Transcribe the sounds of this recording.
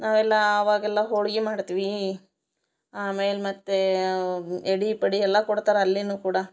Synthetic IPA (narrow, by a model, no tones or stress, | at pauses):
naːʋɛlːɐːʋaːɡɛlːɐɦoːɭɡimaːɽt̪iʋi | aːmeːlemɐt̪ːe | eɽipɐɽiɛlːɐkɔɽt̪aːɾeɐlːinuːkuːɽɐ